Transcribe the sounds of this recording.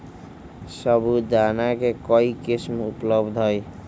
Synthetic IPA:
səbʱud̪anakekɔikismupləbd̪ʱɦɔj

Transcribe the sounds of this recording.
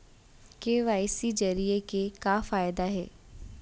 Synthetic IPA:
keːʋaːɪsid͡ʒɐɾiekekaːfaːjd̪aɦɛ̰ː

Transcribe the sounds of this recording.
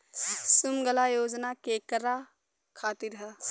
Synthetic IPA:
sumɡəlajoːd͡ʒnakeːkəɾa | kʰaːt̪iɾɦɐ

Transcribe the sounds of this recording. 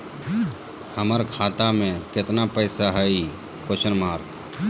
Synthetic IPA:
həməɾkʰaːt̪amẽkɪt̪napəɪsaɦəi | koʃənmaːɾk

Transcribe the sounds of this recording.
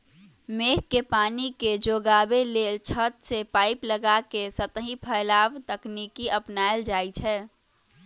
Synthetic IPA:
meːɦkepaːniked͡ʒoːɡaːbeleːlt͡ʃʰət̪sepaːɪpləɡakesət̪ə̃ɦĩpʰəːlaːʋt̪əknikiʔəpnaːjld͡ʒaːit͡ʃʰɛː

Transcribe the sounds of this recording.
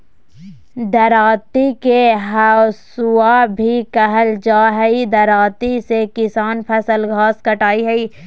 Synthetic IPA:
d̪ɐɾaːt̪ikeɦasuabʱikəɦəld͡ʒaːɦɛid̪ɐɾaːt̪isekɪsaːnpʰɛsəlɡʱaːskɐʈaːiɦɛiː

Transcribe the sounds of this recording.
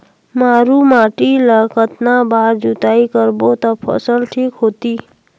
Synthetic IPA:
maɾumaʈiləkət̪nabʱaɾd͡ʒut̪aikəɾbot̪ɔpʰʌ̰səlʈʰikɦot̪i

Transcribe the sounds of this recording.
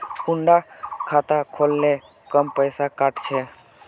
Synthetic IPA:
kuɳɖakʰat̪akʰoːlne | kəmpəjsakaːʈt͡ʃʰe

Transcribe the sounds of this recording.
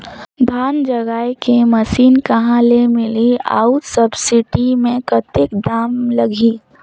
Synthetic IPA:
d̪ʱaːnd͡ʒɐɡaːjkemɐsiːnkɐɦãlemɪlia̰ːʊʈsɐbsɪʈimẽkɐt̪ɪkd̪aːmlɐɡʱiː

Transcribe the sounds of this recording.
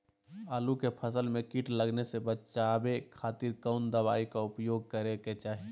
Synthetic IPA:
aːlukepʰəsəlmẽkiʈləɡnesebət͡ʃaːbekʰaːt̪iːɾkəʊnd̪əbaːikaʊpjoːɡ̚kəɾeket͡ʃaːɦi

